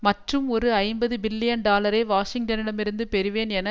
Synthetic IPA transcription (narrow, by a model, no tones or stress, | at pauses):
mɐʈrɯmɔɾɯɐɪmbɐðɯbɪlːɪjɐnɖaːlɐɾeːʋaːʂɪŋʈɐnɪɽɐmɪɾɯnd̪ɯpɛɾɯʋeːnɛnɐ